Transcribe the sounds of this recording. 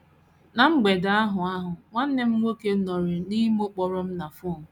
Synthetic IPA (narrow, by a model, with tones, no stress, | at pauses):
na˨ŋ͡m̩˦ɡ͡be˨da˨˦a˦ɦʊ˨a˦ɦʊ˨ŋʷa˦n̩˦ne˦m̩˦ŋʷo˦ke˦nɔ˨ɾɪ˨ni˦m˦o˦k͡pɔ˨ɾʊ˦m̩˦na˨fʊ˦˨